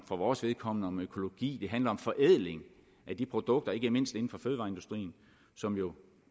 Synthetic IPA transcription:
fʁɑʋɒːsʋe̝ðˠkʰɒ̽m̰nəɒ̽møkʰo̝lo̝ɡ̥ḭːd̥e̝ɦænlɐɒ̽mfɒ̽ʔeð̰ˠle̝ŋ | ʔæd̥ipʰʁo̝d̥ɔ̽ɡ̥̚d̥ɐe̝ɡ̥əme̝n̰sd̥e̝n̩fɒ̽føːð̞ˠʋɑ̈ːe̝ndusd̥ʁḭːn̩ | sɒ̽mjo̝

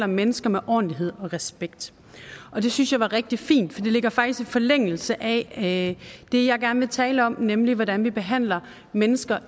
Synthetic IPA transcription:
lɐmenəsɡ̥ɐmeʔɒ̰ːnliɦe̝ð̰ˠɒ̽ʁɛsb̥eɡ̥̚d̥ | ʔɒ̽d̥e̝synsjɑ̈ɪʋɑ̈ʁɛɡ̥̚d̥ifḭːnd̥fɒ̽d̥e̝le̝ɡ̥ɐfɑ̈ɡ̥d̥isifɒ̽leŋ̰l̩səʔæ | d̥e̝jɑ̈ɪɡ̥æɐnəʋe̝t͡sʰɛːləɒ̽mnemliʋɒɾænʋib̥e̝ɦæn̰lɐ | menəsɡ̥ɐ

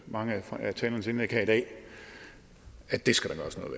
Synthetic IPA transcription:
mɑ̈ŋəææt͡sʰɛːlɐnəse̝nekʰæid̥ɛ̰ː | æd̥e̝sɡ̥æd̥enɡ̥ɶ̰ːɐsnɔ̽ːðˠʋe

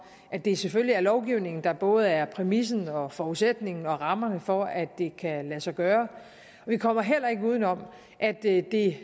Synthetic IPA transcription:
ʔæd̥e̝seføljiæɐlɒʊɡ̥iʊne̝ŋn̩d̥ɑ̈b̥ɔ̽ːð̞̩ˠæɐpʰʁɛmis̬n̩ɒ̽fɒːuðˠsed̥ne̝ŋn̩ɒ̽ʁɑ̈mɐnəfɒ̽æd̥ːe̝kʰælæsɑɡ̥ɶːɐ | ɒ̽ʋikʰɒ̽m̰ɐɦel̰ɐe̝ɡ̥əuð̞ˠn̩ɒ̽m̰ | ʔæd̥d̥e̝

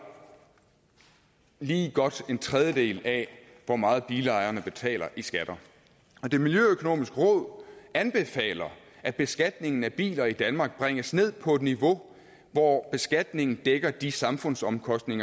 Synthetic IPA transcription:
liːɡ̥ɒ̽d̥e̝nt͡sʰʁɛð̞ˠjəd̥e̝̰ːlæ | ʋɒmɑ̈ːð̩ˠb̥iːləɑ̈ɪɐnəb̥e̝t͡sʰɛ̰ːlɐʔisɡ̥æd̥ɐ | ɒ̽d̥e̝miljøøkʰo̝no̝̰ːmisɡ̥əʁɔ̽ð̞̰ˠænb̥e̝fɛ̰ːlɐ | æ̥b̥e̝sɡ̥æd̥ne̝ŋn̩æb̥ḭːlɐid̥ænmɑ̈ːɡ̥̚b̥ʁɛŋ̰əsne̝ð̰ˠpʰɒ̽e̝d̥niʋo̝ | ʋɒb̥e̝sɡ̥æd̥ne̝ŋn̩d̥eɡ̥ɐd̥isɑ̈mfɔ̽n̰sɒ̽mkʰɒ̽sd̥ne̝ŋɐ

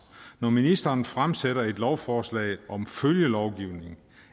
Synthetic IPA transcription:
nɒminisd̥ɐːnfʁamseɾɐe̝d̥lɒʊfɒːslɛ̰ɪʔɒ̽mføljəlɒʊɡ̥iʊne̝ŋ̩

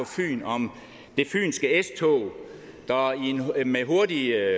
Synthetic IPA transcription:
ɒfy̰ːnɒ̽m | d̥e̝fy̰ːnsɡ̥əest͡sʰɔ̰ː | d̥ɑienmeɦo̝ɐdi

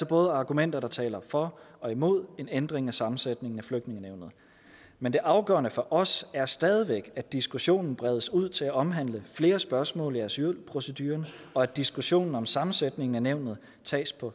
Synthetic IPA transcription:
sɒb̥ɔ̽ːð̞ˠəɑ̈ːɡ̥umen̰d̥ɐɾ̥ɑ̈t͡sʰɛ̰ːlɐfɒ̽ɒ̽imo̝ð̞̰ˠe̝nend̥ʁeŋæsɑ̈mn̩sed̥ne̝ŋn̩æfløɡ̥̚dne̝ŋəneʊ̰nð̩ˠ | mend̥e̝ʔɑ̈ʊɡ̥ɶ̰ɐnəfɒ̽ʔɒ̽sæɐsd̥ɛːð̞ˠiʋeɡ̥æd̥isɡ̥uɕo̝̰ːnn̩b̥ʁɛðˠəsuð̰ˠt͡sʰe̝læʔɒ̽mɦæn̰ləfle̝ːɐsb̥ɶɐsmɔ̰̽ːliæselpʰʁo̝səd̥yːɐnɒ̽æ̥d̥isɡ̥uɕo̝̰ːnn̩ɒ̽msɑ̈mn̩sed̥ne̝ŋn̩æneʊ̰nð̞̩ˠ | t͡sʰɛ̰ːspʰɒ̽

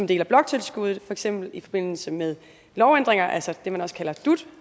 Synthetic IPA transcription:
ɒ̽md̥e̝ːlɐb̥lɒ̽ɡ̥̚t͡sʰe̝lsɡ̥uð̞̩ˠfɒ̽eɡ̥sem̰b̥l̩ifɒ̽b̥e̝n̰l̩səmeðˠ | lɒʊend̥ʁeŋɐʔælsəd̥e̝mænɒ̽sə̥kʰælɐd̥ud̥

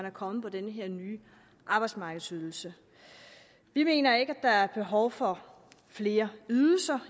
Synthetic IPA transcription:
nækʰɒ̽məpʰɒ̽d̥enəɦeɐ̰nyː | ʔɑ̈b̥ɑ̈ɪd̥smɑ̈ːɡ̥ð̩ˠsyðˠl̩sə | ʋime̝̰ːnɐe̝ɡ̥æd̥ɑ̈æɐb̥e̝ɦɒʊfɒ̽ | fle̝ːɐyðˠl̩sɐ

